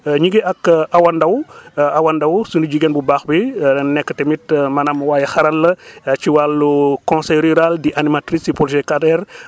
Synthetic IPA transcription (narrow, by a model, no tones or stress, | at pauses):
ɲiɡɛɐkawɐndɐwawɐndɐwsuniɟiɡɛnbubaːxbinɛkːətɛmitmɐnamwaːjɛxɐɾɐlːɐt͡ʃiwalːukɔ̃nsɛjɾyɾaldiʔanimatɾisipɔlʒɛkadɛɾ